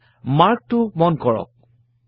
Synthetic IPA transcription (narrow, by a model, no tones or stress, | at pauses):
maɹk̚tʊmɔnkɔɹɔ̰k̚